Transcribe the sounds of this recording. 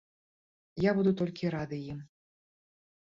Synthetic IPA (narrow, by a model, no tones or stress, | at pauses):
jabud̪ut̪ɔlʲkʲiɾad̪ɨjim